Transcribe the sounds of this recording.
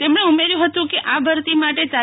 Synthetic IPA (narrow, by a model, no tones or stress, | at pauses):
t̪emɳ̃eumeɾjũɦət̪ũkeʔabʱəɾt̪imaʈet͡ʃa